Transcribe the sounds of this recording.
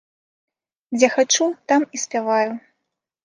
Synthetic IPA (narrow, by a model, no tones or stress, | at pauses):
d͡zʲɛxat͡ʂut̪amisʲpʲavaju